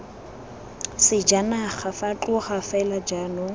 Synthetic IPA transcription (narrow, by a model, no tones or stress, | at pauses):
sɪd͡ʒanaχafat͡ɬʼʊχafɛlad͡ʒanʊ